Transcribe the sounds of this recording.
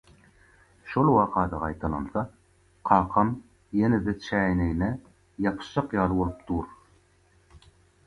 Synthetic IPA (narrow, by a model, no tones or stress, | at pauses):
ʃolˠwɑqɑd̪ɑʁɑjt̪ʰɑnɑ̰nθɑ | qʰɑːqʰɑm | jenɘd̪ɘt͡ʃʰænɘjnæ | jɑpʃɑqjɑlˠwolˠɤpt̪ʰuɾ